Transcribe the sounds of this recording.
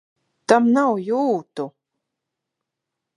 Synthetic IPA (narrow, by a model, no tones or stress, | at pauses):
t̪amnawjuːt̪u